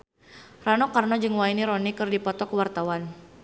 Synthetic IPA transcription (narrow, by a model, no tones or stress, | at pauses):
ranɔkarnɔd͡ʒɨŋwainiɾɔnikɨrdipɔt̪ɔkəwart̪awan